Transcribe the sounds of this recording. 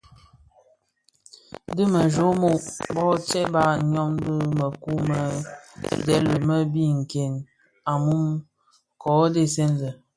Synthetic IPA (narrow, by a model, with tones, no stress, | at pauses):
də˦mə˨ʒo˨˦mo˦˨ʔbɔ˦t͡ʃɛ˦ba˦ɲɔ˦ŋ˦də˦mə˨ku˦mə˨ | dɛ̰˦lə˨mə˦bi˦ŋ̩˨ke˨n | a˨mu˦m | kɔ˨˦de˦sɛ˦nzə˨